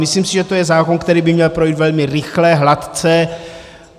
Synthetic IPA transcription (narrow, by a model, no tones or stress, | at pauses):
mɪsliːmsɪʒɛt̪ojɛzaːkonkt̪ɛɾiːbɪmɲɛlpɾo̞jiːt̪vɛlmɪɾɪxlɛɦlat̪t͡sɛ